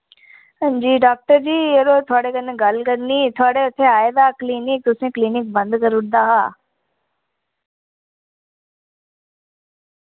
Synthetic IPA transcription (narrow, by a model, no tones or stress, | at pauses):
d͡ʑiːɖaːk̚ʈəɾd͡ʑiːeɾot̪ʰʊaːɽekənẽɡalkəɾniːt̪ʰʊaːɽeʊt̪ʰːeaːed̪aːkliːnɪk̚t̪ʊsẽkliːnɪk̚bə̃nd̪kəɾʊʈ̚ʰd̪aːɦaː